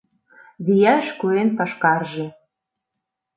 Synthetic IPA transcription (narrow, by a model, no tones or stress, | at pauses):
βijæʃkuenpɑʃkɑrʒĕ